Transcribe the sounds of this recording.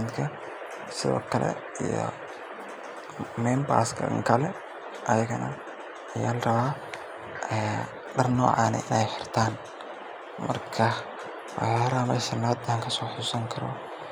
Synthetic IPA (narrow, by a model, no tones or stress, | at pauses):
t̪d̪kʰɐ | sɪðɔ̰ːkʰɐlɛ̰ | ijɔ̰ | mɛmba̰ːskʰɐ̰ŋkʰɐlɛ | ʔɐjɐɣɐnɐ | ɐjaːlrɐβaː | ɛː | ɖɐrnɔːʕɑːnɐ̰ʔɪnɛjħɪrt̪ʰaːn | mɐ̰rkʰɐ | waaːɾaːmɐjʃɐnaːd̪aːŋkʰɐsɔːħʊsɐŋkʰɐɾɔ̰